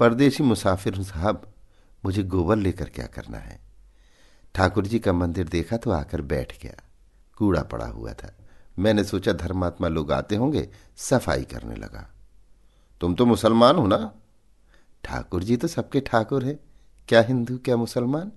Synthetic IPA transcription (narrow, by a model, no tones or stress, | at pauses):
pɐɾd̪eːʃimʊsaːfɪɾɦsəɦəb | mʊd͡ʒʱeɡoːbəlːeːkəɾkja̰ːkɐ̰ɾna̰ɦɛ̰ː | ʈʰaːkʊɾd͡ʒikamɐ̃nd̪ɪɾd̪eːkʰat̪ʰoa̰ːkəɾbɛ̰ːʈʰɡɐ̰ja̰ː | kuːɽa̰pɐ̰ɽa̰ɦṵa̰t̪ʰaːmɛ̃ːnesoːt͡ʃad̪ʱɐɾmaːt̪maloːɡa̰ːt̪eɦõːɡḛ | sɐfʰa̰ːḭkɐ̰ɾnḛlɐ̰ɡa̰ː | t̪ʊmt̪omʊsəlmaːnɦõnaː | ʈʰa̰ːkʊɾd͡ʒit̪osɐb̚keʈʰaːkʊɾɦɛː | kjaːɦɪ̃nd̪ukjaːmʊsəlmaːn